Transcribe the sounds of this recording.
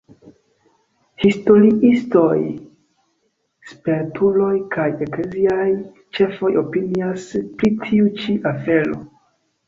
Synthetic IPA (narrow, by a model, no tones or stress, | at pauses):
histo̞ɾiʔisto̞j | speɾtʰulo̞jkʰaje̞kleziaj | t͡ʃe̞fo̞jo̞piniaspɾitʰiut͡ʃiʔafe̞lo̞̰